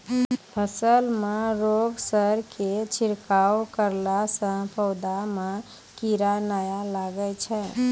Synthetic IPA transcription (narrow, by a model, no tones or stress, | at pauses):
pʰəsəlmeɾoɡsəɾkʰet͡ʃʰiɾkawkəɾlasə̃pʰəwd̪ame | kiɾanajalaɡət͡ʃʰɛ